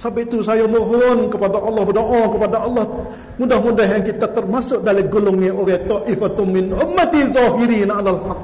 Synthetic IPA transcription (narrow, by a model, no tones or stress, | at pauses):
sabɪʔt̪usajamoɦonkəpadaʔɑlːɑhbədoʔakəpadaʔɑlːɑh | mudahmudaɦjaŋkit̪at̪ərmasʊʔ̚daliɡolʊŋiʔoɾɛht̪ɑʔifat̪ʊmɪnʊmːat̪izɑɦiɾinalalhak̚